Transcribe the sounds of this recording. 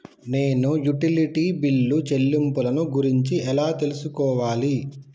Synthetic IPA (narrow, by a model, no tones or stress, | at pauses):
ne̞ːnujuʈiliʈiːbilːut͡ʃe̞lːimpulɐnuɡuɾiɲt͡ʃiɛlaːt̪e̞lusukɔːʋaːli